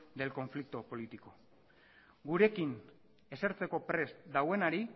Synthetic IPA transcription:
d̪e̞lko̞ɱflik̚t̪opo̞lit̪iko̞ | ɡuɾe̞kin | e̞seɾt͡se̞ko̞pɾe̞st̪d̪awe̞naɾi

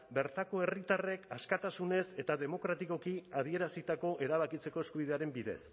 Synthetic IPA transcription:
be̞ɾt̪ako̞e̞rit̪are̞kaskat̪asune̞se̞t̪aðe̞mo̞kɾat̪iko̞kiað̞ie̞ɾasit̪ako̞ʔe̞ɾaβ̞akit͡se̞ko̞eskuβ̞iðe̞aɾe̞mbiðe̞̰s

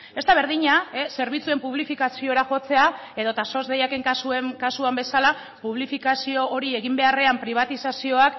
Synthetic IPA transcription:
e̞st̪aβ̞e̞ɾðiɲaese̞ɾβ̞it͡sue̞mpuβ̞lifikasio̞ɾaʝo̞t͡se̞a | e̞ðo̞t̪aso̞zðejake̞ŋkasuekasuambe̞sala | puβ̞lifikasio̞ʔoɾie̞ɣimbe̞are̞ampɾiβ̞at̪isasio̞ak

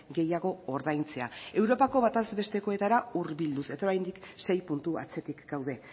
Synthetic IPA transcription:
ɡe̞jaɣ̞o̞ːɾðajnt͡se̞ae̞wɾo̞pako̞βat̪azbe̞st̪e̞ko̞e̞t̪aɾauɾβild̪use̞t̪aoɾajnd̪ikse̞jpunt̪ua̰t͡se̞t̪ikɡ̥awð̞e̞

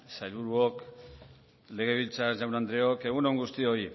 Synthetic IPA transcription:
sajβuɾuok | le̞ɣ̞e̞β̞ilt͡sasʝawnand̪ɾeo̞ke̞ɣ̞uneŋɡust̪io̞i

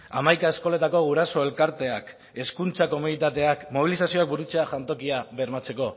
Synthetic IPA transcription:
a̰majkae̞sko̞le̞t̪ako̞ɣuɾaso̞e̞lkaɾt̪e̞ak | e̞skunt͡sako̞munit̪at̪e̞akmo̞β̞ilisasio̞ak̚buɾut͡seaʝant̪o̞kiaβe̞ɾmat͡se̞ko̞

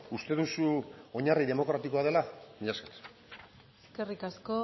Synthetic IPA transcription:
ust̪e̞ðusuo̞ɲariðe̞mo̞kɾat̪iko̞að̞e̞lamiʎasket̪ | skerikasko̞

